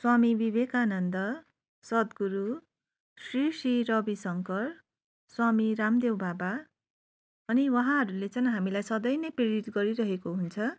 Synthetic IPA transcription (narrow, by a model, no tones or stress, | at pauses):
swamibiβekanʌnd̪ʌ | sʌd̪ɡuɾu | srisiɾʌbisʌŋkʌr | swamiɾamd̪ewbaba | ʌniwʌɦãɦʌɾulet͡sʌj̃ɦamilajsʌd̪ʌjnʌjpreɾiʈ̪ɡʌɾiɾʌɦekoɦunt͡sʰʌ